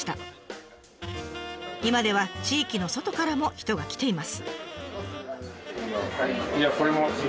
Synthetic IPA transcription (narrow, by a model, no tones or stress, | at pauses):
t̪a | imad̪e̞β̞at͡ɕiːkʲino̞so̞t̪o̞kaɾamo̞çi̥t̪o̞ɡakʲi̥t̪e̞imasɨ̥ | jakoɾemo